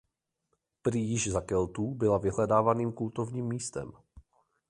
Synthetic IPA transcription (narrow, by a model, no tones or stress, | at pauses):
pɾɪjɪʒzakɛlt̪uːbɪlavɪɦlɛdaːvaniːmkult̪o̞vɲiːmːiːst̪ɛ̰m